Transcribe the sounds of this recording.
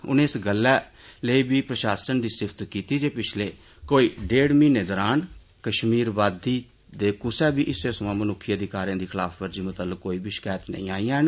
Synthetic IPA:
ʊ̰nẽːɪsɡəlːɛːləiːbiːpɾəʃaːsənd̪iːsɪpʰt̪kiːt̪iːd͡ʒeːpɪt͡ʃʰleː | koːiːɖeːɽmĩːneːd̪ɔːɾaːn | kəʃmiːɾʋaːd̪iː | d̪eːkʊsɛːbiːʔɪseːsəmãːmənʊkʰːijəd̪iːkaːɾjãːd̪iːkʰɪlaːfʋəɾd͡ʒiːmʊt̪əlːəkːoːiːbiːʃə̥kɛːt̪nə̰ĩːaːĩːɛːn

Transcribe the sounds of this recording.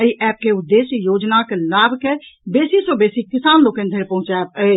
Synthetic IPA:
əiʔɛːp̚keʊd̪ːeːsjoːd͡ʒnakelaːbʱkebeːsisobeːsikɪsaːnloːkẽnd̪ʱeɾpɐɦʊ̃t͡ʃapə

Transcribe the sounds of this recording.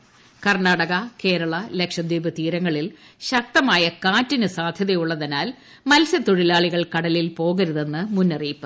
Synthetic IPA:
kɐrnaːɽɐɣɐke̞ːɾɐɭɐle̞kʂɐd̪iːbɐt̪iːɾɐŋːɐɭil | ɕɐk̚t̪ɐmaːjɐkaːtːinɨsaːd̪ʱjɐðɐjuɭːɐðenaːl | mɐlsɐt̪uɻilaːɭiɣɐɭkɐɽɐlilpo̞ːɣɐɾuðe̞nːɨmunːɐriːpːɨ

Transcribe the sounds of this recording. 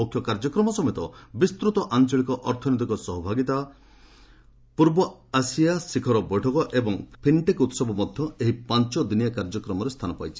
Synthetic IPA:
okʰjɔkaɾd͡ʒɔkɾɔmɔsɔmet̪ɔbist̪ɾut̪ɔʔant͡ʃɔɭikɔʔɔɾt̪ʰɔnit̪ikɔsɔɦɔbʱaɡit̪a | puɾbɔasijasikʰɔɾɔbɔjʈʰɔkɔʔebɔŋpʰiɳʈekut̪sɔbɔmɔd̪ʱjɔeɦipant͡ʃɔd̪inijakaɾd͡ʒɔkɾɔmɔɾest̪ʰanɔpa̰jt͡ʃʰi̥

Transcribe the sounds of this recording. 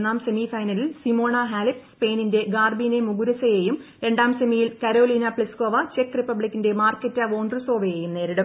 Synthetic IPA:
nːaːmse̞mifɐjnɐlilsimo̞ːɳɐɦaːlipspeːninde̞ɡaːrbiːnemuɡuɾɐsɐjeːjumɾe̞ɳɖaːmsemijilkɐɾoːliːnɐpɭiskoːʋɐt͡ɕekːripːɐbɭikʲːinde̞maːrkːɐtːɐʋo̞ːɳɖrɨso̞ːʋɐjeːjumne̞ːɾɐɽɐ

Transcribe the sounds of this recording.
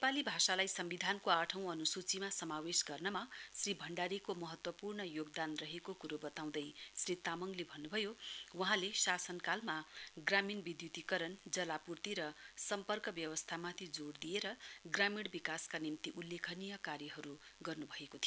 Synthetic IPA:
nepalibʱasalajsʌmbid̪ʱankoaʈʰʌ̃w̃ʌnusut͡simasʌmawesɡʌrnʌmasribʱʌɳɖaɾikomʌɦʌt̪wʌpurɳʌjoɡd̪anrʌɦekokuɾobʌt̪aw̃d̪ʌjsrit̪amʌŋlebʱʌnːubʱʌjowʌɦãlesasʌnkalmaɡraminbid̪jut̪ikʌɾʌnd͡zʌlapurt̪iɾʌsʌmpʌrkʌbjʌwʌst̪ʰamat̪ʰid͡zoɽd̪ijeɾʌɡramiɽbikaskanimt̪iʔulːekʰʌnijʌkaɾjʌɦʌɾuɡʌrnubʱʌekot̪ʰijo

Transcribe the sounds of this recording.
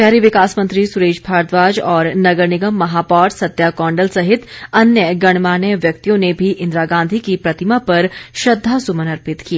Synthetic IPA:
ɛɦɾiʋɪkaːsmə̃ɐ̃nt̪ɾisʊɾeːd͡ʒbʰʱaːɾd̪ʋaːd͡ʒɔːɾnɐɡəɾnɪɡəmːɐɦaːpɔːɾsɐt̪jakɔ̃ːɳɖəlsɐɦɪt̪ɐnjəɡɐɽ̃maːnjəʋjɐk̚t̪ijõnebʱiʔɪ̃nd̪ɾaːɡãːnd̪ʱikipɾɐt̪ɪmapɐɾʃɐd̪ʱːasʊmənəɾpɪt̪kieː

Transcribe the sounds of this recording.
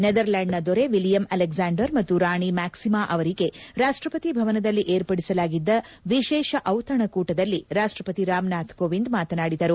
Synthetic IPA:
ned̪ɐɾlaːɳɖnɐd̪ɔɾe̞ʋiljɐmɐlekzaːɳɖɐɾmɐt̪ːuɾaːɳimaːksimaːʔɐʋɐɾiɡe̞ɾaːʂʈɾɐpɐt̪ibʱɐʋɐnɐd̪ɐlːiʔeːɾpɐɽisɐlaːɡid̪ːɐʋiʃɛːʃɐʔɐwt̪ɐɳɐkuːʈɐd̪ɐlːiɾaːʂʈɾɐpɐt̪iɾaːmnaːt̪koːʋind̪maːt̪ɐnaːɽid̪ɐɾu

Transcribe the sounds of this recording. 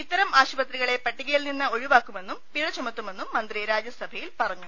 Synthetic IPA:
it̪ːɐɾɐmaːɕubɐt̪riɣɐɭe̞pɐʈːiɣeːlninːɐoɻuʋaːkːume̞nːumpiɻɐt͡ɕːɐmɐt̪ːume̞nːumːɐnd̪riɾaːd͡ʑjɐsɐbʱɐjilpɐrɐɲːu

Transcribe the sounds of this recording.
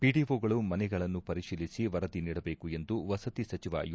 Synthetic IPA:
piɖiʋoːɡɐɭumɐnɛɡɐɭɐnːupɐɾiʂiːlisiʋɐɾɐd̪iniːɽɐbe̞ːkue̞nd̪uʋɐsɐt̪isɐt͡ʃiʋɐ̰j

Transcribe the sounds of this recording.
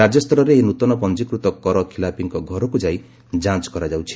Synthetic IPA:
ad͡ʒɔst̪ʰɔɾɔɾeinut̪ɔnɔpɔnd͡ʒikɾut̪ɔkɔɾɔkʰilapiŋkɔɡʱɔɾɔkud͡ʒaj | d͡ʒãt͡ʃɔ̥kɔɾad͡ʒawt͡ʃʰi̥

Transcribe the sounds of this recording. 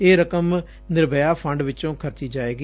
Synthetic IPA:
eːɾəkəm | nɪɾbəjaːpʰəɳɖʋɪt͡ʃõːkʰəɾt̪iːd͡ʒaːeːɡi

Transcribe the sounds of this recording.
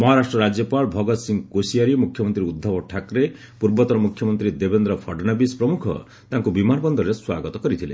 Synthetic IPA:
mɔɦaɾasʈɾɔɾad͡ʒjɔpaɭɔbʱɔɡɔt̪siŋɡkosijaɾimukʰjɔmɔnt̪ɾiud̪ʱːapɔʈʰakɾe | puɾbɔt̪ɔɾɔmukʰjɔmɔnt̪ɾid̪ebend̪ɾɔpʰɔɖnabispɾɔmukʰɔ̰ | t̪aŋkubimanɔbɔnd̪ʱɔɾeswaɡɔt̪ɔkɔɾit̪ʰilḛ̃

